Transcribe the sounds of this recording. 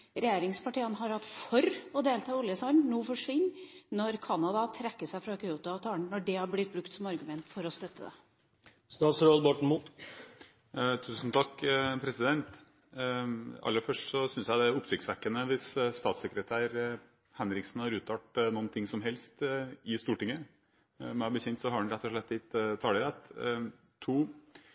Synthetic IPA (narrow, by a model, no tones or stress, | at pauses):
ɾɛjeːɾɪŋspʰɑʈiːənɦɑɾhɑt̪ːfɔɾɔd̪eːlt̪ʰɑːʊljəsɑnnuːfɔʂʋɪnːnɔɾkʰɑnɑd̪ɑt̪ʰɾɛkːəʂæɪfɾɑkʰʏuːt̪ʊɑt̪ʰɑːɳnɔɖɛhɑɾblɪt̪̚bɾʉkt̪sɔmɑɾɡʉmɛnt̪fɔɾɔst̪œt̪ʰːə̰d̪ɛ̰ | st̪ɑːt̪sɾoːd̪bɔʈɳ̩muːt̪ | t̪ʰʉːsn̩t̪ʰɑkːpʰɾɛsɪd̪ɛnt̪ | ɑ̰lːəɾfœʂʈsɔsʏnsjæɪd̪ɛɾʊpsɪk̚t̪sʋækːənəʋɪsst̪ɑːt̪səkɾət̪ʰæːɾ | hɛnɾɪksnhɑɾʉːt̪ʰɑːʈnɔːnt̪ʰɪŋsɔmɦɛlst̪ɪst̪uːʈɪŋːə | mɛbəçɛnt̪sɔhɑɛɳ̩ɾɛt̪ːɔʂɭɛt̪ːɪt̪t̪ʰɑːləɾɛt̪ | t̪ʰuː